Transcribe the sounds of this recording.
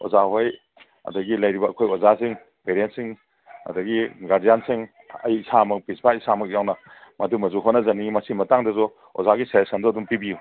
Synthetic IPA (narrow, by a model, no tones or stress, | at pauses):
ɔ̰zaɦoj | ɐ̰dɐɡilɐjɾibɐːkʰojɔzasiŋ | peɾentsiŋ | ɐ̰dɐɡiɡaɾdijansiŋ | ɐ̰jisamɐk̚pisbaisamɐk̚jawnɐmɐdumɐzuɦonɐzɐnimɐsimɐtaŋdɐzɔ | ɔ̰zaɡisajesɐndɔɐdumpibiju